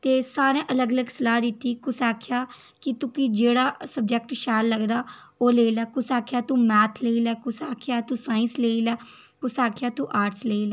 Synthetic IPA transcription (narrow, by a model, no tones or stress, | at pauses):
t̪eːsaːɾẽːʔələɡələɡsəlaːd̪ɪt̪ːiːkʊsaːkʰɪjaː | kɪt̪ʊkid͡ʒeːɽaːsəb̚d͡ʒɛk̚ʈʃɛːlləɡd̪aː | oːleːlɛːkʊsaːkʰjaːt̪ũːmɛːt̪ʰleːilɛːkʊsaːkʰejaːt̪ũːsaːɪ̃nsleːilɛː | kʊsaːkʰjaːt̪ũːʔaːɾʈsleːilɛː